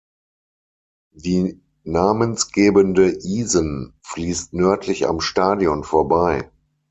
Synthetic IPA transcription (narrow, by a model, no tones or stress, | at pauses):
d̥iː | naːmənsɡ̥eːbəndəʔiːzənfliːstnœɐtʰlɪça̰mʃtaːdjɔnfoːɐbaɪ